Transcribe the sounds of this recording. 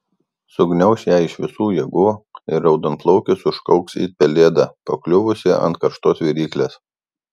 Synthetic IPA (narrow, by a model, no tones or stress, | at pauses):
sʊɡnʲɛʊsʲjæːˑɪʃʋʲɪsuːjɛɡuːɪɾɐʊd̪ɐnt̪lˠɐʊkʲɪsʊʃkɐʊksḭːpʲɛlʲeːd̪ɑpɐklʲʊʋʊsʲɪʔɐ̰nt̪kɐɾʃt̪oːsʋʲiːɾʲiːklʲeːs